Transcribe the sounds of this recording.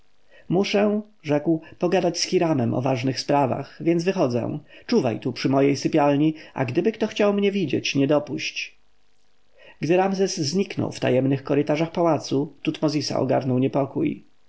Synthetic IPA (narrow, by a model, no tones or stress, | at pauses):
muʂɛ̃ | ʐɛkwpɔɡad̪at͡ɕsxʲiɾamɛmʔɔ̰vaʐnɘxspɾava̰xvʲjɛnzvɘxɔd̪zɛ̰w̃t͡ʂuva̰jt̪upʂɘmɔjejsɘpʲjalɲiʔa̰ɡd̪ɘbɘkt̪ɔxt͡ɕawmɲɛvʲid͡ʑɛt͡ɕɲɛd̪ɔpuɕt͡ɕ | ɡd̪ɘɾamzɛsːɲiknɔ̰wft̪a̰jɛmnɘxkɔɾɘt̪aʐaxpawat̪sut̪ut̪mɔzʲisa̰ɔ̰ɡa̰ɾnɔwɲɛpɔkuj